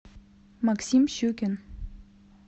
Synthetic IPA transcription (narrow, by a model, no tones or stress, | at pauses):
maksimɕukʲən